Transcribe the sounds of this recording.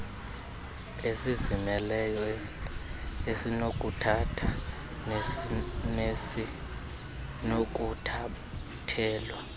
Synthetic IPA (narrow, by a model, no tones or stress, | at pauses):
esizimɛlɛjɔ | esinokʼutʰatʰa | nesi | nok̬ʼutʰa | tʰɛːlwa